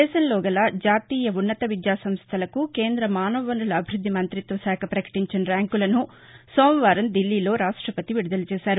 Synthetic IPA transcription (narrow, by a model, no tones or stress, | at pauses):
ɛːʃɐnlɔːɡɐlɐd͡ʒaːt̪iːjɐunːɐt̪ɐʋid̪jaːsɐmst̪ʰɐlɐkuke̞ːnd̪ɾɐmaːnɐʋɐʋɐnd̪ulɐbʱiɾud̪ʱːimɐnt̪ɾit̪ʋɐʃaːkʰɐpɾɐkɐ̥ʈiɲt͡ʃɐnɐɾaːŋkulɐnu | soːmʋaːɾɐmd̪ilːiːlo̞ːɾaːʂʈɾɐpɐt̪iʋiɽud̪ɐlɐt͡ʃɛːʃaːɾu